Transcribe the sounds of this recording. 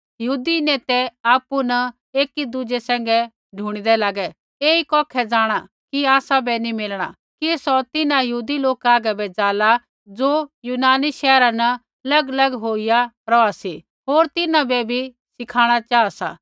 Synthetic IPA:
jɐɦuːd̪ineːt̪ɛaːpunɐ | eːkid̪ʊd͡ʒesɛ̃ːŋ̆ɡɛ | ɖʱuːɽ̃id̪ɛlaːɡɛ | eːikɔːkʰɛd͡zaːɽ̃a | kiaːsabɛnimɪlɽ̃a̰ | kisɔt̪ɪnãjɐɦuːd̪iloːkaːɡɛbɛd͡zaːla | d͡zoːjuːnaːniʃɛːɾanɐ | ɐlɐɡɐlɐɡɦoːɪja | ɾɔasi | ɦoːɾt̪ɪnãbɛbʱi | sɪkʰaːɽ̃at͡ʃaːasa̰ː

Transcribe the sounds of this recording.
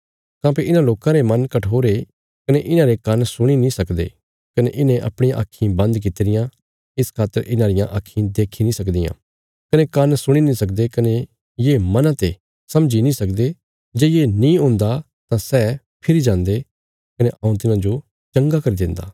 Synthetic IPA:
kãːpiɪnãloːkãɾemɐnkɐʈʰoːɾe | kɐneʔɪnãɾekɐnsʊɽ̃inĩsɐkd̪ḛː | kɐneʔɪnẽʔɐ̰pɽ̃ĩjãʔa̰ːkʰːĩbɐ̃nd̪k̬ɪt̪ɾɪjã | ɪskʰaːt̪ːəɾʔɪnãɾɪjãʔaːkʰːĩd̪eːkʰinĩsɐkd̪ɪjã̰ | kɐnekɐnsʊɽ̃inĩsɐkd̪ekɐne | jeːmɐnãt̪e | sɐmd͡ʒinĩsɐkd̪e | d͡ʒeːjenĩõːnd̪a | t̪ãsɛː | pʰɪɾid͡ʒãːnd̪e | kɐneʔɐ̃ːũt̪ɪnãd͡ʒo | t͡ʃɐ̃ŋɡakɐɾid̪ɪ̃nd̪a̰ː

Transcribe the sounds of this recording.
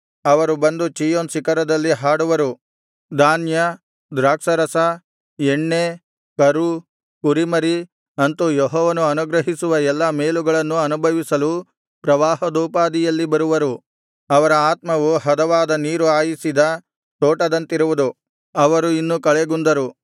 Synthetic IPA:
ɐʋɐɾubɐnd̪ut͡ʃiːjoːnsikɐɾɐd̪ɐlːiɦaːɽuʋɐɾu | d̪aːnjɐ | d̪ɾaːkʂɐɾɐsɐ | eɳːe | kɐɾu | kuɾimɐɾi | ɐnt̪ujɔɦɔːʋɐnuɐnuɡɾɐɦisuʋɐɛlːɐme̞ːluɡɐɭɐnːuɐnubʱɐʋisɐlu | pɾɐʋaːɦɐd̪uːpaːd̪ijɐlːibɐɾuʋɐɾu | ɐʋɐɾɐaːt̪mɐʋuɦɐd̪ɐʋaːd̪ɐniːɾuaːjisid̪ɐ | t̪oːʈɐd̪ɐnt̪iɾuʋud̪u | ɐʋɐɾuinːukɐɭeɡund̪ɐɾu

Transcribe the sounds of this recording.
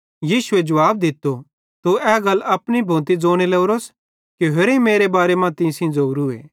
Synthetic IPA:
jiːʃʊed͡ʒɐʋaːb̚d̪ɪt̪ːo | t̪uɛːɡɐlːɐpɽ̃ibʱõːt̪̬id͡zoːɽ̃ilɛʊɾoːs | kiɦeɾĩmeːɾebaːɾemãt̪ĩsĩd͡zouɾuḛː

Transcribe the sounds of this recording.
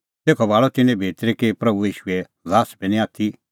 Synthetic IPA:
t̪eːkʰɔbaːɭɔt̪ɪnɛ̃bʱeːt̪ɾekepɾɐbujiːʃuɛ | zaːsbɛnĩaːt̪ʰi

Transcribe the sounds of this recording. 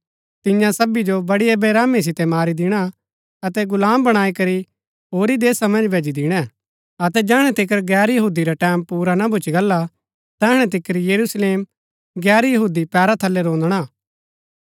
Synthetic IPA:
t̪ɪjãsɐbid͡ʒobɐɽiebeɾaːmis̬ɪt̪ɛmaːɾid̪ɪɽ̃a | ɐt̪ɛɡʊlaːmbɐɽ̃aːikɐɾi | ɦoːɾid̪eːsamɐ̃nd͡ʒbʱeːd͡ʒid̪ɪɽ̃ɛ | ɐt̪ɛd͡ʒɛːɽ̃ɛ̃t̪ɪk̬əɾɡɛːɾjɐɦuːd̪iɾaʈɛːmpuːɾanabʱʊt͡ʃiɡɐlːa | t̪ɛːɽ̃ɛt̪̬ɪkəɾjɐɾusleːm | ɡɛːɾjɐɦuːd̪ipɛːɾat̪ʰɐlːɛɾõːnd̪ɽ̃aː

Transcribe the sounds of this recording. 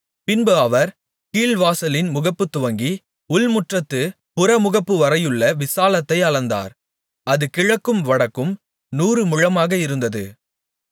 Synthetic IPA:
pɪnbɐʋɐɾ | kiːlʋaːsɐlɪnmʊɣɐpːɯt̪ːʊʋɐŋɡi | ʊlmʊʈrɐt̪ːɯ | pʊɾɐmʊɣɐpːɯʋɐɾɐjɯɭːɐʋɪsaːlɐt̪ːɐɪɐɭɐnd̪a̰ːɾ | ɐðɯkɪɻɐkːɯmʋɐɽɐkːɯm | nuːrɯmʊɻɐmaːɣɐɪɾɯnd̪ɐðɯ

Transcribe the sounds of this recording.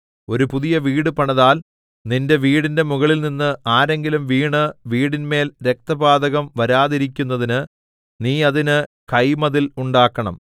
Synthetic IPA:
o̞ɾupuðijɐʋiːɽɨpɐɳɐðaːl | ninde̞ʋiːɽinde̞muɣɐɭilninːɨaːɾe̞ŋɡilumʋiːɳɨʋiːɽinme̞ːlɾe̞k̚t̪ɐbaːd̪ɐɣɐmʋɐɾaːðiɾikʲːunːɐðinɨ | niːɐðinɨkɐjmɐðiluɳɖaːkːɐɳɐ̰m

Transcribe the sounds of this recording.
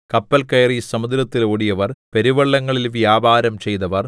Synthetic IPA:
kɐpːɐlkɐjrisɐmud̪ɾɐt̪ːiloːɽijɐʋɐrpeɾiʋɐɭːɐŋːɐɭilʋjaːbʱaːɾɐmt͡ɕe̞jt̪ɐʋɐr

